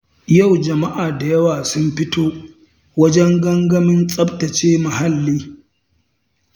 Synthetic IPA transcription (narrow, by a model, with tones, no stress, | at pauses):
ja˦˨wd͡ʒɐ˨ma˦ʔaː˨da˨jɐ˦waː˨sʊ˦mɸɪ˦tʰoː˦ | wɐ˦d͡ʒɛ˦ŋɡɐ˦ŋɡɐ˦mɪ˦nsʼɐ˦btɐ˨t͡ʃeː˦mɐ˨ha˦lːiː˦